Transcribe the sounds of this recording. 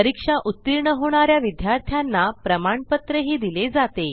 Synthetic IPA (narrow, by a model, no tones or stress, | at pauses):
əɾikʂaʔut̪ːiɾɳəɦoɳ̃aɾjaʋid̪jaɾt̪ʰjanːapɾəmaɳpət̪ɾəɦiːd̪iled͡zat̪e